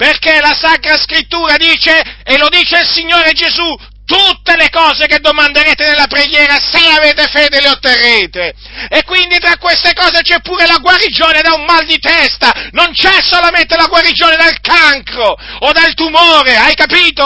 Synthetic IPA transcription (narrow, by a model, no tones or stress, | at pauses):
perkelasakɾaskɾit̪ːuːɾad̪iːt͡ʃeːlod̪iːt͡ʃeilsiɲːoːɾed͡ʒezu | t̪ut̪ːelekɔːzeked̪ːomand̪eɾeːt̪enelːapɾeɡjɛːɾaseaveːt̪efeːd̪eleot̪ːerːeːt̪e | ekːwind̪it̪ɾakːwest̪ekɔːzet͡ʃɛpːuːɾelaɡwaɾid͡ʒoːned̪aummald̪it̪ɛst̪anont͡ʃɛsːolament̪elaɡwaɾid͡ʒoːned̪alkaŋkɾood̪alt̪umoːɾeajkapiːt̪o